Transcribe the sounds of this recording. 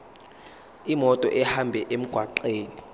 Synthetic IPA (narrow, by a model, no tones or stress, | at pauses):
imɔtʼɔ̰ʔɛhambʱɛʔem̩ɡ̥ʱwaǃeːni